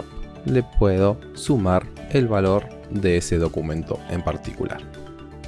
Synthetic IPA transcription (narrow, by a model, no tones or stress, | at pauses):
lepweðo | sumaɾelβalo̞ɾ | ðeeseðo̞kumẽ̞nt̪o̞̰empaɾt̪i̥kulʔa̰ɾ